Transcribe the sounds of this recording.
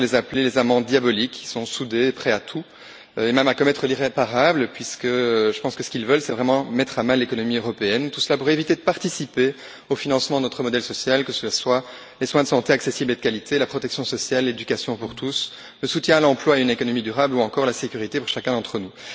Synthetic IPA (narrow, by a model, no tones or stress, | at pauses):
lezaplelezamɑ̃d̪jabɔlikːi̥sɔ̃sud̪epχɛat̪ʰu | øemɛmakɔmɛt̪χəliʁepaʁabləpɥiskəʒəpɑ̃skəsə̥kilvœlsɛvʁɛmɑ̃mɛt̪χamɛ̃lekɔnɔmiøʁɔpeɛnt̪u̥səlapuʁevit̪ed̪əpaʁt̪isipe | ofinɑ̃smɑ̃d̪ənɔt̪χəmɔd̪ɛlsɔsjalkəsəlaswa | leswɛ̃d̪əsɑ̃t̪eaksesibled̪əkalit̪ʰelapχɔt̪ɛksjɔ̃sɔsjalːed̪ykasjɔ̃puʁt̪us | ləsut̪jɛ̃alɑ̃plwaeynekɔnɔmid̪yʁabluɑ̃kɔʁlasekʲyʁit̪epuʁʃakʲɛ̃d̪ɑ̃t̪χənu